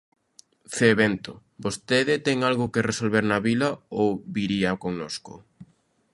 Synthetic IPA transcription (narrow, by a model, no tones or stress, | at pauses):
feβent̪o | bost̪eðɪt̪ɛŋalɣʊkeresolβeɾnɐβilɐowβiɾiɐkoŋnoskʊ̰